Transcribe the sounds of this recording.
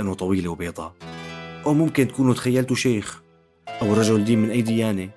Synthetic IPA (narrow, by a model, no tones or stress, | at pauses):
ʔanːʊt̪ˤɑwiːlewbeːd̪ˤɑ | ʔawmʊmkɪnt̪kuːnut̪xajːalt̪uʃeːx | ʔawɾˤɑʒawɪld̪iːmmɪnʔajːd̪ɪjaːni